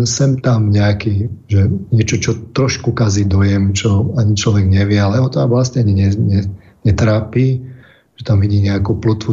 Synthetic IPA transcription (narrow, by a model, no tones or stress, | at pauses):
sɛmt̪amɲɛakiːʒɛɲɛt͡ʃɔt͡ʃɔt̪ɾɔʃkukazid̪ɔjɛmt͡ʃɔaɲit͡ʃlɔʋɛɡɲɛʋɪɛalɛɦɔt̪ɔaʋlasɲɛɲɛɲɛɲɛ | ɲɛt̪ɾaːpiː | ʒ̥ɛt̪amʋiɟiːmɲɛakuplut̪ʋu